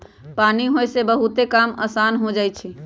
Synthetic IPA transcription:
paniɦojsebəɦut̪ekamə̰sanɦod͡ʒajt͡ʃʰi

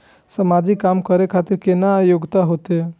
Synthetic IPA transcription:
səmad͡ʒikamkəɾekʰat̪iɾkenaːjoɡt̪aɦot̪e

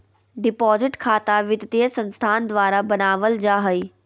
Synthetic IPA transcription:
ɖɪpɔːzɪʈkʰaːt̪aʋɪd̪t̪iəsə̃nst̪ʰaːnd̪ʋaːɾabɐnaːʋəld͡ʒaːɦəi

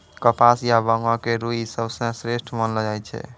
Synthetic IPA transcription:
kəpasjabəŋɔ̃keɾuɦisəbsə̃sɾesʈʰmənld͡ʒajt͡ʃʰɛ̰

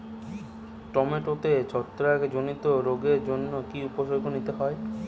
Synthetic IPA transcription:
ʈɔmeʈot̪et͡ɕɔt̪ːɾaked͡ʑonit̪oɾoɡeɾd͡ʑonːokiupoʃoɡʱonit̪eɦɔe

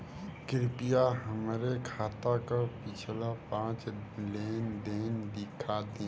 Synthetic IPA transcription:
kɪɾpijaɦəmɾekʰaːt̪akapɪt͡ʃʰlapãːt͡ʃleːnd̪eːnd̪ɪkʰad̪ẽ

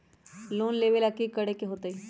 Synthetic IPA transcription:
loːnleːʋelɐkikəɽekeɦoːt̪ai

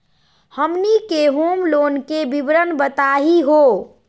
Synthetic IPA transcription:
həmnikeɦomlonkebibɾənbət̪aɦiɦo

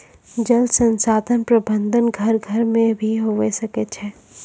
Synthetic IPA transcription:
d͡ʒəld̪sə̃nsaːd̪ʰʱənpɾəbə̃nd̪ʱənɡʱɐɾɡʱɐɾmẽbʱiɦoʋesɐket͡ʃʰɛː

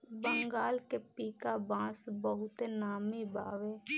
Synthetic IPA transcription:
bəŋɡaːlkepiːkabãːsbəɦʊt̪enaːmiba̰ːʋeː

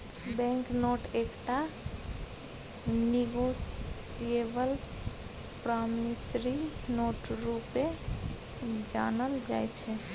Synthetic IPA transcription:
bɛ̃ŋknoʈʰekʈa | niɡosijeʋəl | pɾamnisɾinoʈɾupẽ | d͡ʒa̰nəld͡ʒa̰jt͡ʃʰɛ

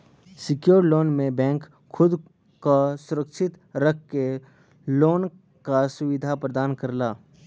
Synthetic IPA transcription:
sɪkjoːɾloːnmẽbɛ̃ːŋk | xʊd̪ | kosʊɾəkʃɪt̪ | ɾək̚ʰke | loːn | kasʊʋɪd̪ʱapɾəd̪aːnkɐɾlaː

